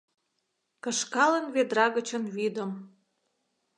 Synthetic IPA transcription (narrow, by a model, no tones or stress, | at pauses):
kə̆ʃkɑlənved̪ɾɑɣə̆t͡ɕə̆nβid̪əm